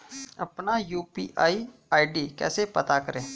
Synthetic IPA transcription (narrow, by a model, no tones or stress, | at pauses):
ɐpnajuːpḭʔa̰ːiaːiɖiːkɛ̰ːsepət̪akəɾẽː